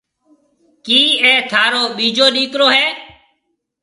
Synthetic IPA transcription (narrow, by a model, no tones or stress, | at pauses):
kiːeːt̪ʰaːɾoːɓiːd͡ʒoːɗiːkɾoːɦɛː